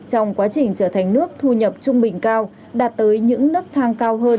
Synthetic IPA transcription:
t͡ɕɔ˧wŋ͡mkwaː˨˦t͡ɕï˧˩ŋ̟t͡ɕəː˧˩t̪ʰa˨˩ŋ̟nɨ˦˥ək̚t̪ʰu˧ɲə˨˩p̚t͡ɕʊ˧ŋ͡mɓï˨˩ŋ̟kaː˧w | ɗaː˨˩t̚t̪əː˨˦jɲɨ̰˧˥ŋnɨ˦˥k̚t̪ʰaː˧ŋkaː˧wɦəː˧n

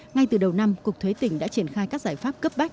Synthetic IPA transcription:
ŋa˧jt̪ɨ˨˩ɗə˨˩wna˧mkʊ˨˩k̚t̪ʰwe˨˦t̪ï˧˩ŋ̟ɗa̰ː˧˥t͡ɕi˧˩ənxaː˧jkaː˦˥k̚zaː˧˩jfaː˦˥p̚kə˦˥p̚ɓa˦˥k̚

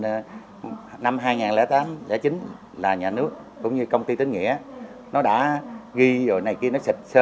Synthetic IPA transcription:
na˧mɦaː˧jŋaː˨˩nlɛ̰ː˧˥˦t̪aː˨˦mlɛ̰˧˥t͡ɕï˨˦ŋ̟ | laː˨˩ɲaː˨˩nɨ˦˥ək̚ːʊ̰˧˥ŋ͡mɲɨ˧kə˧wŋ͡mt̪i˧t̪ï˨˦ŋ̟ŋḭ˧˥ə | nɔ˨˦ɗa̰ː˧˥ɣi˧zo̰˨˩jna˨˩jki˧ənɔ˨˦sï˨˩k̚səː˧

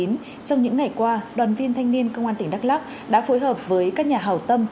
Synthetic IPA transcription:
i˨˦n | t͡ɕɔ˧wŋ͡mɲɨ̰˧˥ŋːa˨˩jkwaː˧ɗwaː˨˩nvi˧ənt̪ʰa˧jŋ̟ni˧ənkə˧wŋ͡mʔaː˧nt̪ï˩ŋ̟ɗa˦˥k̚laː˦˥k̚ | ɗa̰ː˧˥fo˨˦jɦəː˨˩p̚vəː˨˦jkaː˦˥k̚ɲaː˨˩ɦaː˨˩wt̪ə˧m

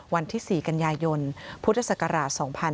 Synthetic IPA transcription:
wa˧nt̪ʰiː˥˩siː˨˩ka˧njaː˧jo˧npʰu˦˥t̪ʰːa˧sa˨˩ka˧ɾaː˨˩t̪̚sɔː˩˦ŋpʰa˧

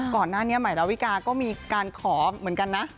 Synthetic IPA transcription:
kɔː˨˩nːaː˥˩ni˦˥ɐma˨˩˦jɾa˧wi˦˥kaː˧kɔː˥˩miː˧kaː˧nkʰɔː˩˦mɯ˨˩˦nka˧nːa˦˥ʔ

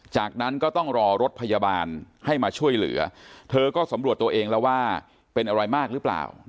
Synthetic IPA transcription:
t͡ɕaː˨˩k̚na˦˥nkɔː˥˩t̪ɔ˥˩ŋɾɔː˧ɾo˦˥t̪̚pʰa˧jaː˧baː˧n | ha˥˩jmaː˧t͡ɕʰu˥˩əjlɯ̰˩˦ɐt̪ʰɤː˧kɔː˥˩sa˩˦mɾu˨˩ət̪ːu˧ɐʔeː˧ŋlɛː˦˥waː˥˩ | pe˧nʔa˧ɾa˧jmaː˥˩k̚ɾɯː˦˥pla̰ː˨˩w

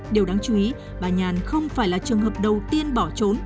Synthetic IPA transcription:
ɗe˨˩wɗaː˨˦ŋt͡ɕu˨˦i˨˦ | ɓaː˨˩ɲaː˨˩nxə˧wŋ͡mfaː˧˩jlaː˨˩t͡ɕɨ˨˩əŋɦəː˨˩p̚ɗə˨˩wt̪i˧ənɓɔ˧˩t͡ɕo˨˦n

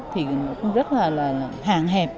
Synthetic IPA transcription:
t̪ʰi˨˩˨nɔ˨˦˥kʊ˨˦ŋ͡mzə˦˥t̚laː˨˩laː˨˩˨ɦaː˨˩ŋɦɛ˨˩p̚

